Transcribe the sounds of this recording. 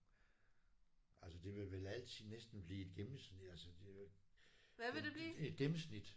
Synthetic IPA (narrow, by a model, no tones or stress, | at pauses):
ʔælsəd̥e̝ʋe̝ʋelæl̰t͡sʰið̰ˠnesd̥n̩b̥lḭːe̝d̥̚ɡ̥em̩sni̥ælsəd̥e̝ | ʋæʋed̥eb̥liːed̥̚ɡ̥em̩snid̥